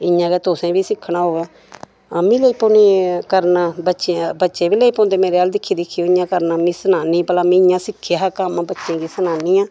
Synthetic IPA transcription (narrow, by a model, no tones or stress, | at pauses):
ɪjãːɡɛːt̪oːsẽːbiːsɪkʰːnaːɦoːɡɛ̃ː | aːmĩːləiːpoːniːkəɾnaːbətːʃẽbətːʃẽːbiːleiːpõːnd̪eːmeːɾeːaːld̪ɪkʰːiːd̪ɪkʰːiːoːɪɲãːkəɾnaːmĩːsənaːniːpəlãːmĩɪɲãːsɪkʰːjaːɦkamãːbətːʃẽːɡiːsənaːniːãː